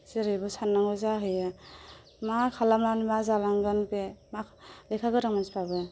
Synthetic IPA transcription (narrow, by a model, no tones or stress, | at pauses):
zeɾɯjbɔsanːaŋɡɔzaɦɯja | makʰalamlanimazalaŋɡanpemalɛkʰaɡɯɾaŋmanspabɯ